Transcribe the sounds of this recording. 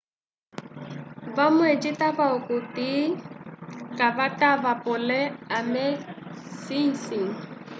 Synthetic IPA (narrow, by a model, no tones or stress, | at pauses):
bamwed͡ʒitabaʊkʼʊti | kʼabatʼabapʼʊlɛamɛsiŋ̩siŋ̩